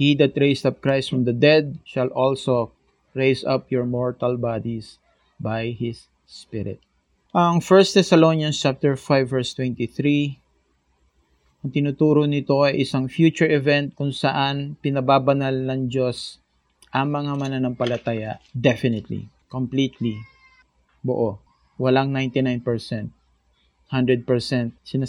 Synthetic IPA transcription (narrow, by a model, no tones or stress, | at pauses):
hid̪ɐt̪ɹejsd̪ɐp̚kɹajst̪fɹɔmd̪ɐd̪ɛd̪̚ʃɐlʔolso | ɹejsɐpjɔɹmɔɹt̪ɐlbad̪is | bajhɪsː | pɪ̰ɾɪ̰t̪̚ | ʔɐŋfɛɹst̪ɛsɐlonjɐnst͡ʃap̚t̪ɛɹfajvːɛɹst̪wɛnt̪iθɾi | ʔɐŋt̪ɪnut̪uːɾonɪt̪o̞ɐjʔɪsaŋfjuːt͡ʃʊɹɛvɛnt̪̚kʊŋsɐʔanpɪnɐbaːbɐnalnɐŋd͡ʒo̞s | ʔɐŋmɐŋamɐnanɐŋpɐlɐt̪aːjɐd̪ɛfɪnɪt̪lḭkomplit̪li | bo̰ʔo | wɐlaŋnajnt̪ɪnajnpɛɹsɛnt̪̚ | hand̪ɹɛd̪̚pɛɹsɛnt̪̚sɪna